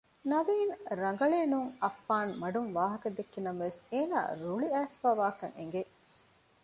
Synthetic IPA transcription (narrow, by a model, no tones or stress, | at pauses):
nɐʋiːnɾɐŋ̆ɡɐɭeːnuŋɐfːaːnmɐɖuŋʋaːɦɐkɐd̪ekːinɐmɐʋeseːna̰ːɾuɭiæːsfaːʋaːkɐ̰ŋḛŋɡe